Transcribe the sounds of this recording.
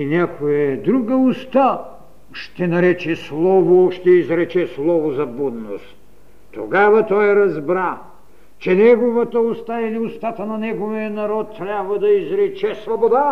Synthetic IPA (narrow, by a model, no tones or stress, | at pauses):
inʲakoɛd̪ɾuɡəʊst̪a | ʃt̪ɛnɐɾɛt͡ʃɛslˠɔvoʃt̪ɛizɾɛt͡ʃɛslˠɔvozɐbud̪no̰st̪ | t̪ːoɡavɐt̪ɔjɾɐzbɾa | t͡ʃɛnɛɡovɐt̪əʊst̪ailiʊst̪at̪ənɐnɛɡovijənɐɾɔt̪ːɾʲabvɐd̪ɐizɾɛt͡ʃɛsvobod̪a